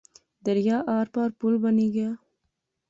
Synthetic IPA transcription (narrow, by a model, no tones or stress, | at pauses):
d̪aɾjɑːʔɑːɾpɑːɾpulbaniɡa